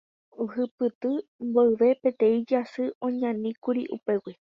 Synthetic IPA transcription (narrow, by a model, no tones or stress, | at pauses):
uhɨpɨt̪ɨmboɨʋe̞pe̞t̪ẽ̞ĩd͡ʒasɨʔõ̞ɲãnĩkuɾḭʔṵpe̞wi